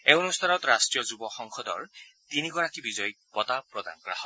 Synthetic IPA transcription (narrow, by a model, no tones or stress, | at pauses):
eɔnust̪ʰanɔtɹastɹijɔzubɔxɔŋxɔdɔ̰ɹ | t̪iniɡɔɹakibizɔj | pɔtapɹɔda̰nkɔɹa̰hɔ